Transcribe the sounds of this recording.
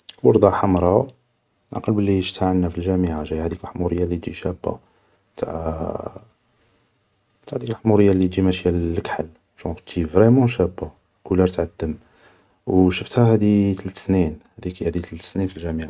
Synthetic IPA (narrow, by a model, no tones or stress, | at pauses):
wɑɾˤd̪ˤɑħamɾˤɑ | nʔa̰qɑlbəlːiʃt̪aʕənːæfilʒæmiʕaʒæjhæd̪iklħmuɾəjːalit̪d͡ʒiʃæbːa̰ | t̪ʰa̰ʕ | t̪aʕd̪iklħmuɾəjːalːit̪d͡ʒimæʃjælːkħəl | ʃut̪ʒivʁɛmɑ̃ʃæbːa | kulɑɾt̪ʕad̪ːəm | wʃəft̪hæhæd̪it̪əlt̪ə̥sninhæd̪ikːæd̪it̪əlt̪ə̥sninfilʒæmiʕa